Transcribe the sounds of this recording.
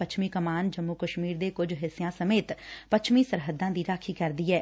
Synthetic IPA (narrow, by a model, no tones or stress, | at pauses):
ət͡ʃʰmiːkəmaːnd͡ʒəmːukəʃmiːɾd̪eːkʊd͡ʒɦɪsijãːsəmeːt̪pət͡ʃʰmiːsəɾɦəd̪ːãːd̪iːɾaːkʰiːkəɾd̪iːɦɛː